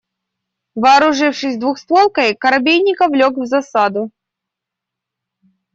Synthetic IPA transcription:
vɨːɾʊʐɨfʂɨsʲd̪vuxsp̪ˠolˠkɐjkɐɾɐbʲejnʲɪkɐvlʲokvzɐsad̪ʊ

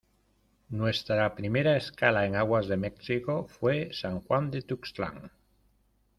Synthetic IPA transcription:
nwe̞st̪ɾapɾime̞ɾaeskalae̞ŋaɣwazðe̞meksiko̞fwesaŋxwand̪et̪ukst̪la̰ŋ

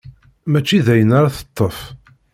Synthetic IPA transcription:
mæt͡ʃːiðæjənaɾaθə̥t̪ˤːəf

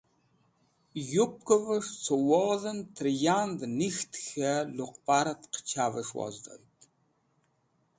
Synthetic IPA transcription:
jup̚kʼɐvɐʂt͡sʰowɔðɐnt̪ʰrjaːnd̪nixt̪ʰxɐluqpʼaːɾɐt̪qt͡ʃʰavɐʂwɔ̰zd̪o̰jt̪ʼ

